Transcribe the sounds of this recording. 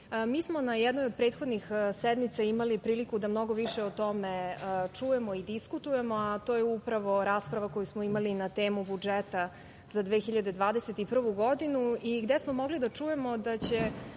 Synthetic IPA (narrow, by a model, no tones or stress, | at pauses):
miːsmo̞najɛd̪nojod̪̚pɾe̞ːt̪xo̞d̪nixsed̪mit̪saimalipɾiːlikud̪amno̞ɡo̞ʋiʃeot̪o̞meət͡ʂuje̞mo̞id̪iskut̪uje̞mo̞at̪o̞ːjeupɾaʋo̞ɾaːspɾaʋako̞jusmoimalinat̪e̞ːmubud͡ʒet̪a | zad̪ʋeːxiʎad̪e̞d̪ʋaːd̪eset̪ipr̩ʋuɡod̪inuiɡd̪esmomo̞ɡlid̪at͡ʂuje̞mo̞d̪at͡ɕe̞